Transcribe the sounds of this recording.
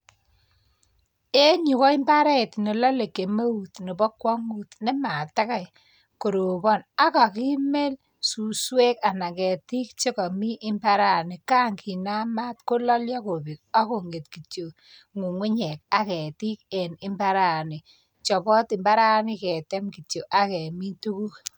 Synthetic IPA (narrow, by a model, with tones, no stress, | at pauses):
e˦ɲu˨kɔ˦ɪ˦mba˦ɾɛ˦˨tne˨lɔ˦le˨ke˨me˦wu˨tni˨bɔ˦kwa˦ŋu˦tne˦ma˨ta˦ka˨j | ko˨ɾo˨bɔ˦˨na˦ka˨ki˦me˦l | su˨swe˦ka˨na˨kɛ˨ti˦k̚t͡ʃe˦kɔ˨mi˦ʔɪ˦mba˦ɾa˦˨ni˨ka˦ŋki˨na˦ma˦tko˦lɔ˦ljɔ˦ko˨bi˨k̚a˦ko˨ŋɡe˨tki˨t͡ʃo˨ | ŋu˨ŋʊ˦ɲɛ˨k̚a˦kɛ˨ti˦k̚ɛ˨nɪ˦mba˦ɾa˦˨nɪ˨ | t͡ʃɔ˨bɔ˦tɪ˨mba˦ɾa˦nɪ˦kɛ˨tɛ˦mki˨t͡ʃo˨ʔa˨kɛ˨mi˦tu˦ku˦k